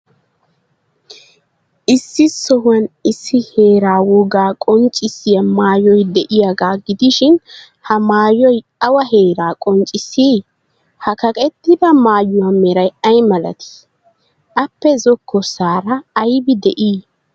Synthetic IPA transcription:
ʔɪsːɪsɔhɐnɪsːɪheːɾaːwɔɡaːkʼɔnt͡ʃʼːɪsɪjɐmaːjɔjd̪ɛʔɪjaɡaːɡɪd̪ɪʃɪn | hɐmaːjɔj | ɐwɐɦeːɾaːkʼɔnt͡ʃʼɪsiː | hɐkɐkʼɛt̪ːɪd̪ɐmaːjʊwamɛɾɐjɐjmɐlɐ̰t̪ɪ̥ | ʔɐpːɛzɔkʰːɔsaːɾɐːjbɪd̪ɛʔiː

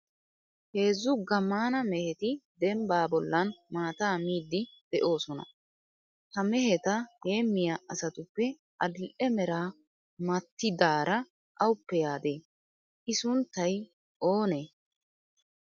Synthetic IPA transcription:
he̞ːzːʊɡɐmːaːnɐmɛhɛt̪ɪd̪ɛmbaːbɔlːɐnmaːt̪aːmiːd̪ːɪd̪̥ɛʔo̞ːsɔnɐ̰ | hɐmɛɦɛt̪ɐhe̞ːmːɪjaʔɐsɐt̪ʊpːɛ | ʔɐd̪ɪlʔɛmɛɾaː | mɐt̪ːɪd̪aːɾɐ | ʔɐwʊpːɛjaːd̪eː | ʔɪsʊnt̪ːɐj | ʔo̞ːneː

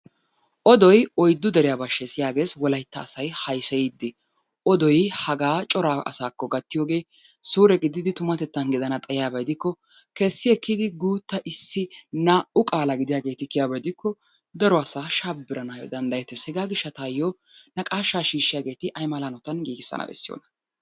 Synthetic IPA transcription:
ʔɔd̪ɔjɔjd̪ːʊd̪ɛɾɪjaːbɐʃːɛsɪjaːɡe̞ːswɔlɐjt̪ːɐːsɐjhɐjsɐjid̪ːɪ | ʔɔd̪ɔjhɐɡaːt͡ʃʼɔɾaːʔɐ̰saːkːɔɡɐt̪ːɪjoːɡe̞ː | suːɾɛɡɪd̪ːɪd̪ɪt̪ʊmɐt̪ɛt̪ːɐnɡɪd̪ɐnɐt̪ʼɐjɪjaːbɐjd̪ɪkːɔ | kɛsːɪɛkːɪd̪ɪɡuːt̪ːɐʔɪsːɪnaːʔʊkʼaːlɐɡɪd̪ɪjaːɡe̞ːt̪ɪkːɪjaːbɐjd̪ɪkːɔ | d̪ɐɾɔɐsaːʃaːbːɪɾɐnaːjɔ̰d̪ɐnd̪ɐjɛt̪ːɛshɛɡaːɡɪʃːɐt̪aːjːo | nɐkʼaːʃːaːʃiːʃːɪjaːɡe̞ːt̪ɪʔɐjmaːlanɔt̪ɐnɡiːɡɪsːɐ̰nɐ̰bɛ̰sːɪjo̰ːnɐ

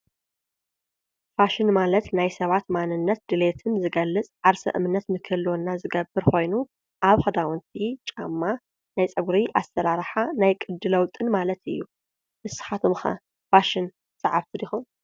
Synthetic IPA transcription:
faʃɪnmalɐt̪najsɐβat̪manɨnːɐt̪̚d̪ɨle̞t̪ʰɨnzɨɡɐlːɨt͡sʼʕaɾsɐ̰ʔɨ̰mɨnːɐt̪mɨkʰɨlːonːazɨɡɐbːɨɾxʰo̞jnu | ʔaβxɐd̪awɔnt̪ʰit͡ʃʼamːa | najt͡sʼɐɡɾiʔast̪ʰɐɾaɾħanajkʼɨd̪ːɨlɐwt̪ʼɨnmalɐt̪ɨ̰jːu | ʔɨsɨ̥xat̪ʰomxɐ̰ | faʃɪn | sʼɐʕaβt̪ʰɨd̪ixun

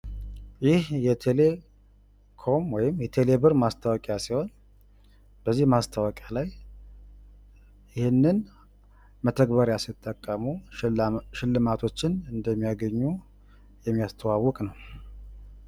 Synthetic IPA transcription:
jɪhjɛt̪ʰe̞le̞ | kʰo̞mwɔjɪmjɛt̪ʰe̞le̞bɨɾmast̪ʰawɔkʼjasiho̞n | b̥əzːihmast̪ʰawɔkʼjalaj | ɪhɨnːɨn | mət̪ʰəɡbəɾjasɪt̪ʼːəkʼːəmu | ʃɪlːɨmat̪ʰo̞t͡ʃːɪnɨnd̪əmːijaɡəɲːu | jɛmːijast̪ʰəwawːɔkʼnəw

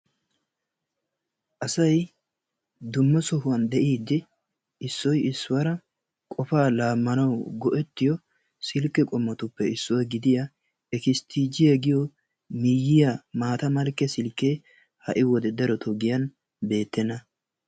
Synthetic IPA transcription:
ʔɐsɐj | d̪ʊmːɔsɔɦʊwɐnd̪ɛʔiːd̪ːɪ | ɪsːɔjɪsːʊwɐɾɐ | kʼɔfaːlaːmːɐnɐwɡɔʔɛt̪ːɪjɔ | sɪlkːɛkʼɔmːɔt̪ʊpːɛɪsːʊwɐɡɪd̪ɪja | ɛkɪst̪ʰiːd͡ʒɪjɛɡɪjɔ | mɪjɪjamaːt̪ɐmɐlkːɛsɪlkːe | hɐ̰ʔɪwɔd̪ɛd̪ɐɾɔt̪ʰɔɡɪjɐn | be̞ːt̪ːɛnːɐ

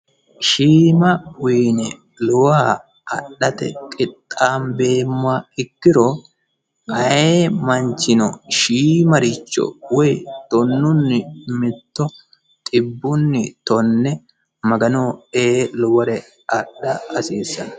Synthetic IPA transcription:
ʃiːmɐwiːnɛ | lɔwaː | ʔɐ̰ɗːɐt̪ɛ̰kʼɪt̪ʼːaːnbe̞ːmːʊaɪkːɪɾɔ | kʼɐeːmɐnt͡ʃːɪnɔʃiːmɐɾɪt͡ʃːɔ̰wɔjt̪ɔnːʊnːɪmɪt̪ːɔ | t̪ʼɪbːʊnːɪt̪ɔnːɛ | mɐɡɐnoːeːlʊwɐɾɛ | ɐɗːɐɐsiːsːɐnɐ

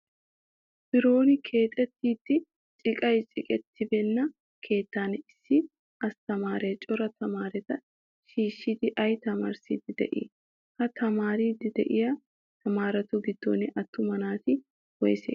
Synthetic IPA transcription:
b̥ɪɾo̞ːnɪkʰe̞ːt̪ʼɛt̪ːiːt̪ːɪ | t͡ʃʼɪkʼɐjt͡ʃʼɪkʼɛt̪ːɪbɛnːɐ | kʰe̞ːt̪ːaːnɛɪsːɪ | ʔɐst̪ɐmaːɾeːt͡ʃʼɔɾɐt̪ʰɐmaːɾɛt̪ɐ | ʃiːʃːɪt̪ɪʔɐjt̪ɐmɐ̰ɾsiːd̪ɪd̪ɛ̰ʔɪ̰ː | hɐt̪ʰɐmaːɾiːd̪ɪd̪ɛʔɪjɐ | t̪ɐmaːɾɐt̪ʊɡɪd̪ːo̰ːnɪʔɐt̪ːʊmɐnaːt̪ɪ | wɔjsḛː

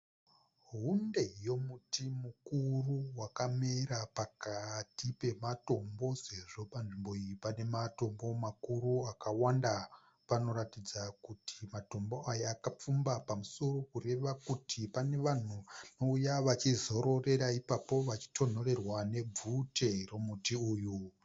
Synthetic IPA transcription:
ɦunde̞jo̞mutimukuruwakameɾapakatipe̞mato̞mbo̞se̞ʐo̞panʐimbo̞iipane̞mato̞mbo̞makuruakawanda | pano̞ɾatid͡zakutʰimato̞mbo̞ajaakap͡fumbapamuso̞ro̞kure̞ʋakutʰipane̞ʋan̤unoujaʋat͡ʃizo̞ɾo̞re̞ɾaipapo̞ʋat͡ʃi̥tʰo̞no̞re̞rwane̞b͡vutero̞mutiuːju

